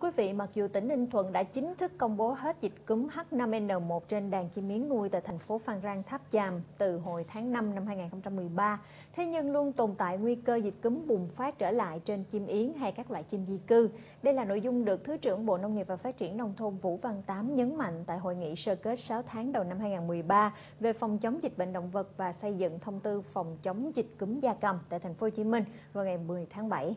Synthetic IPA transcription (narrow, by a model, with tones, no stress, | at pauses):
kwi˨˦vḭ˧˨ma˨˩k̚zu˨˩t̪ï˧˩ŋh̪ï˧ŋ̟t̪ʰwə̰˧˨nɗa̰ː˧˥t͡ɕï˨˦ŋ̟t̪ʰɨ˦˥kːə˧wŋ͡mɓo˨˦ɦe˦˥t̚zï˨˩t̚kɨ˨˦mha˦˥t̚na˧mʔɛ˧nːəː˨˩mo˨˩t̚t͡ɕe˧nɗaː˨˩ŋt͡ɕi˧mʔi˨˦əŋːu˧əjt̪a̰ː˧˩jt̪ʰa˨˩jŋ̟fo˨˦faː˧nzaː˧ŋt̪ʰaː˦˥p̚t͡ɕaː˨˩mt̪ɨ˨˩ɦo˨˩jt̪ʰaː˨˦ŋna˧mna˧mhɦaː˧jŋaː˨˩nxə˧ŋ͡mt͡ɕa˧mːɨ˨˩əjɓaː˧ | t̪ʰe˨˦ɲɨ˧ŋlu˧ənt̪o˨˩nt̪a̰ː˧˨jŋwi˧kəː˧zi˨˩t̚kɨ˨˦mɓʊ˨˩ŋ͡mfaː˦˥t̚t͡ɕəː˧˩la̰ː˧˨jt͡ɕe˧nt͡ɕi˧mʔi˨˦ənɦa˧jkaː˦˥k̚lwa̰ː˧˨jt͡ɕi˧mzi˧kɨ˧ | ɗə˧jlaː˨˩no̰˧˨jzʊ˧ŋ͡mɗɨ˨˩ək̚t̪ʰɨ˨˦t͡ɕɨ̰˧˩əŋɓo̰˧˨nə˧wŋ͡mŋi˨˩əp̚vaː˨˩faː˦˥t̚t͡ɕi˧˩ənːə˧wŋ͡mt̪ʰo˧mvṵ˧˥va˧nt̪aː˨˦mɲə˨˦nma̰˧˨jŋ̟t̪a̰ː˧˨jɦo̰˧˨jŋḭ˧˨səː˧ke˦˥t̚saː˨˦wt̪ʰaː˨˦ŋɗə˨˩wna˧mɦaː˧jŋaː˨˩nmɨ˨˩əjɓaː˧ | ve˨˩fɔ˨˩wŋ͡mt͡ɕə˨˦wŋ͡mzi˨˩t̟̚ɓḛ˧˨ŋ̟ɗo̰˧˨wŋ͡mvə˨˩t̚vaː˨˩sə˧jzɨ̰˧˨ŋt̪ʰə˧wŋ͡mt̪ɨ˧fɔ˨˩wŋ͡mt͡ɕə˨˦wŋ͡mzï˨˩t̟̚kɨ˨˦mzaː˧kə˨˩mt̪a̰ː˧˨jt̪ʰa˨˩ŋ̟fo˨˦˧t͡ɕi˨˦mï˧ŋ̟ | vaː˨˩wŋa˨˩jmɨ˨˩əjt̪ʰaː˨˦ŋɓa˧˩j